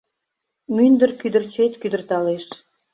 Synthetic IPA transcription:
mynd̪ərkyd̪ərt͡ɕet̪kyd̪ərt̪ɑleʃ

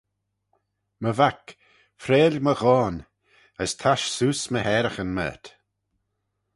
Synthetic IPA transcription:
məvak | fɾeːlʲməɣɔːn | əst̪ʰaʃsuːsməhɛːɾəxənmə̰ːt̪

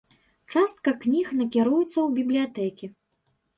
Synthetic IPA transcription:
t͡ʂast̪̚kɐknʲixnɐkʲiɾujɛt̪sːɐwbʲiblʲijat̪ɛkʲi

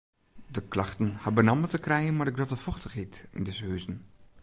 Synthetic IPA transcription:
dəklaxtən̩habənamətəkrɛjənmarɪɡ̚dɔtəfɔxtəxitḭndɪshøːzən̩

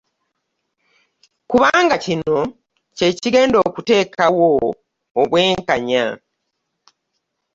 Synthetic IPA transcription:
kuβaːŋɡacino̞ | ce̞ːciɡe̞ːndo̞ːkute̞ːkʰawoː | βwe̞ːŋkaɲa̰

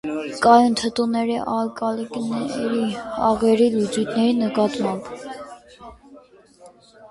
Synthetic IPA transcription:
kɑjunt̪ʰət̪unɛɾiʔɑlkʼɑlknɛɾiɑ̰ʁɛɾilut͡sujt̪ʰnɛɾinəkɑt̪mɑmb

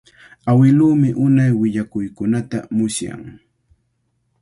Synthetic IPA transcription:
awɪluːmɪʔʊnajwɪʎakʊjkʊnat̪amʊsja̰ŋ

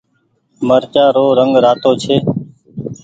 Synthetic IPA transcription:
məɾt͡ʃaːɾoːɾəŋɡɾaːt̪oːt͡ʃʰeː

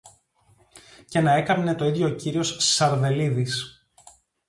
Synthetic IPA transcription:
ce̞nɐe̞kɐpne̞t̪o̞iðʝo̞ciɾio̞sːɐɾve̞liðis

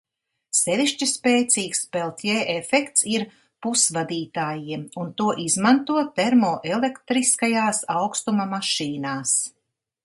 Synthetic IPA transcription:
sɛviʃt͡ʃispeːt̪siːkspɛlˠt̪ʲjeːʔefɛkt̪siɾ | pusvad̪iːt̪aːjimunt̪uɔʔizmant̪uɔt̪ɛɾmɔːʔelekt̪ɾiskajaːsawkst̪umamaʃiːnaːs

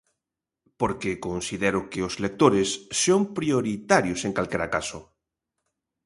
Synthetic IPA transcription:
poɾkekonsiðɛɾʊkɪoslek̚t̪oɾesːompɾjoɾit̪aɾjoseŋkalkɛɾakaso

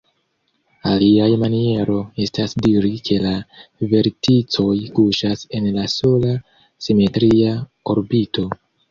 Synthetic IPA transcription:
aliajmanie̞ɾo̞e̞stasdiɾikʰe̞lave̞ɾtit͡so̞jkuʃase̞nlaso̞la | sime̞tɾia | o̞ɾbito̞

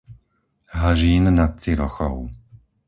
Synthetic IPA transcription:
ɦaʒiːnnat̪̚t͡siɾɔ̰xɔ̰ʊ

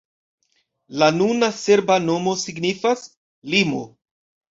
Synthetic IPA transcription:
lanunase̞ɾbano̞mo̞siɡnifas | limo̞

